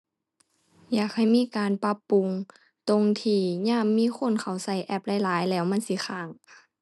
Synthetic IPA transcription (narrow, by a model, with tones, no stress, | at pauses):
jaː˨˩k̚ha˧˩jmiː˧˥˨kaː˨˧npa˧˥pːu˧ŋ | t̪o˧˨ŋt̪ʰiː˧˩ɲaː˧˥˨mːiː˧˥˨xʰo˧˥˨nkʰa˨˩wsa˧˩jʔɛ˧˩p̚la˧˩jlaː˨˦jlɛː˧˩wma˧˥˨nsi˧˦xʰaː˧˩ŋ